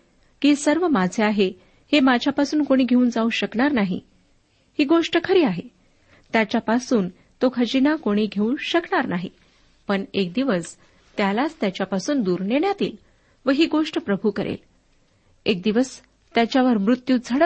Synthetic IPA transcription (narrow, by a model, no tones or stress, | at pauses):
kisəɾʋəmad͡zʱeaɦe | hemad͡ʑʱjapasuːnkoɽ̃iːɡʱeuːnd͡zaũɕəkɳaɾnaɦḭ | hiːɡoʂʈəkʰəɾiːaɦe | t̪jat͡ɕjapasuːn | t̪okʰəd͡ʑinakoɽ̃iːɡʱeũɕəkɳaɾnaɦḭ | pəɳek̚d̪iʋəs | t̪jalat͡st̪jat͡ɕjapasuːnd̪uːɾneɳjat̪ḭːl | ʋəɦiːɡoʂʈəpɾəbʱukəɾʔḛl | ek̚d̪iʋəs | t̪jat͡ɕjaʋəɾmɾut̪juːd͡zʱəɽə